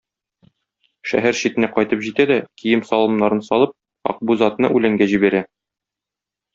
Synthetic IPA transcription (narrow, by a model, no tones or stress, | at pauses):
ʃæ̰ɦæɾɕit̪ɘ̆næqɒjt̪ɤpʑit̪æd̪ækijɘmsɒlˠɤ̆mnɑɾɤnsɒlˠɤp̚ | ɒ̰q̚buzɑt̪nɤʔʉlæŋɡæʑibæɾæ